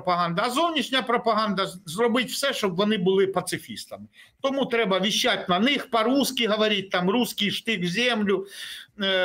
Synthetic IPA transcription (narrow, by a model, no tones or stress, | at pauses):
pɐɦɑnd̪ɐːzɔwnʲiʃnʲɐpɾɔpɐɦɑnd̪ɐzrɔbɪtʲw̥sɛʃt͡ʃɔbʋɔnɪbʊlˠɪpɐt̪sɪfʲḭst̪ɐmɪt̪ɔmut̪ɾɛbɐʋʲiʃːatʲnɐnɪxpɐɾuskʲiɦɔʋɐɾʲit̚ʲt̪ɑmruskijʃt̪ɪkzʲɛmlʲʊ